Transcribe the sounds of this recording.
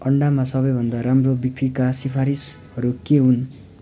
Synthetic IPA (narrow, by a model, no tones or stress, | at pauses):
ʌɳɖamasʌbʌjbʱʌnd̪aɾamrobikrikasipʰaɾishʌɾukeɦun